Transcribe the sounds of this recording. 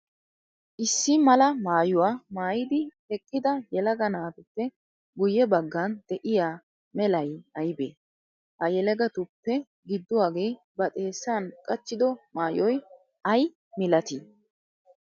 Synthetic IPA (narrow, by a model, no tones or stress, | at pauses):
ʔɪsːɪmɐlɐmaːjʊwaːmaːjɪd̪ɪhɛkʼːɪd̪ɐjɛlɐɡɐnaːt̪ʊpːɛ | ɡʊjːɛbɐɡːɐnd̪̥ɛʔɪjaː | mɛlɐjɐjbeː | hɐjɛlɛɡɐt̪ʊpːɛ | ɡɪd̪ːʊwaːɡe̞ː | bɐt̪ʼe̞ːsːaːnkʼɐt͡ʃːɪd̪ɔmaːjɔj | ɐj | mɪlɐt̪i